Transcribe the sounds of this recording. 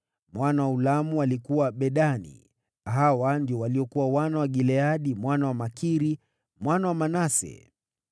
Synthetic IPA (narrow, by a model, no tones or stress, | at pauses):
mwanawaulamualikuwaɓɛɗanḭ | ɦawandiɔwaliɔkuwawanawaɠilɛaɗimwanawamakiɾi | mwanawamanasɛ̰